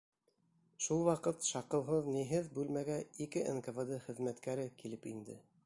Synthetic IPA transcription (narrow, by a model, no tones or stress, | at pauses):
ʃulˠwɑqɤt̪ʃɑqɤ̆lˠɦɤðniɦɘðbʉlmæɡæikɘʔenkɤvɤd̪ɤχɘ̆ðmæt̪kæɾɘkilɘpind̪ɘ̰